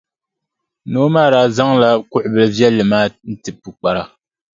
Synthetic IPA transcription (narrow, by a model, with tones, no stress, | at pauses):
noː˦maː˦˨ɾaː˨˦za˦ŋla˦kʊ˦ʔʊ˨bɨ˨lvjɛ˦lːɨ˨maː˦n̩˦tɨ˨pu˨k͡pa˨ɾa˨